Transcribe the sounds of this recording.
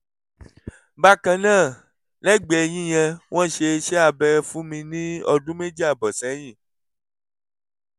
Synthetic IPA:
ba˦kã˧nãː˦˨ | lɛ˦˨ɡ͡bɛ˨j̃ĩ˦j̃ɛ̃˧w̃ʔɔ̃˦˨ʃe˧ʃɛ˦a˧˨bɛ˧ɾfũ˦mĩ˧nĩ˦ɔ˧dũ˦me˦d͡ʒi˦a˦˨bɔ˨sɛ̃˨˦j̃ĩ˦˨

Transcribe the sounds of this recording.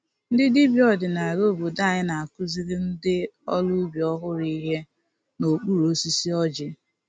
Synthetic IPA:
n̩˦dɪ˦di˦bjɔ˦dɪ˨na˨ɾo˦˨bu˨da˦˨ɲɪ˦na˨a˨kʊ˦zi˦ɾɪ˦n̩˦dɪ˦ɔ˦lʊ˦bjɔ˦ɦʊ˦ɾi˦ɦe˦ | no˨k͡pu˦ɾo˦si˦si˦ɔ˦d͡ʒɪ˦

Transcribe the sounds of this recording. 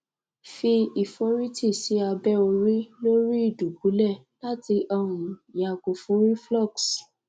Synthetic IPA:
fi˧i˨fo˧˦ɾi˦ti˦˨si˨˦a˧bɛ˦o˧ɾi˦lo˦ɾi˦i˦˨du˨bu˨˦lɛ˦˨ | la˦ti˧ʔɔ˧ũ˨ja˨ko˨fũ˦ɾi˦flɔ˦˨ks

